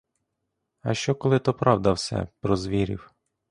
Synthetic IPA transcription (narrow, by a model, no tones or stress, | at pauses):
ɐʃt͡ʃɔkɔlˠɪt̪ɔpɾɑwd̪ɐwsʲɛ̰pɾɔzʋʲiɾʲḭw